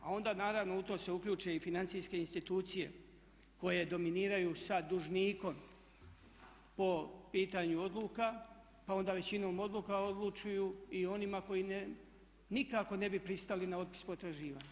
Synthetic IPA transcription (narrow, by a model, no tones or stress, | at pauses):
a̰o̞nd̪aːnaːɾaʋno̞ut̪o̞ːse̞ukʎʲuːt͡ʃe̞ifinant̪sijske̞inst̪it̪uːt̪sije̞̰ | ko̞je̞d̪o̞miniːɾajusad̪uʒniːko̞m | po̞piːt̪aɲuo̞d̪luːka | pao̞nd̪aːʋe̞t͡ɕino̞ːmo̞d̪lˠukao̞d̪lˠut͡ʃujuio̞nimako̞jine | nikako̞ne̞bipɾist̪alinao̞t̪̚pi̥spot̪ɾaʒiːʋaːɲu